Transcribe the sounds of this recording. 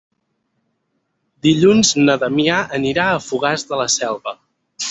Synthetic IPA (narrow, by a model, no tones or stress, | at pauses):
d̪iʎunznəðəmiaʔəniɾaəfuɣazðələsɛlˠβə